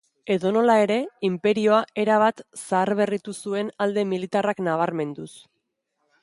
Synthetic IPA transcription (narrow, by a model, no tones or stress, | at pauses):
e̞ðo̞no̞lae̞ɾe̞impe̞ɾio̞aʔe̞ɾaβ̞at̪saːrβe̞rit̪usue̞nald̪e̞milit̪araknaβ̞aɾme̞nd̪us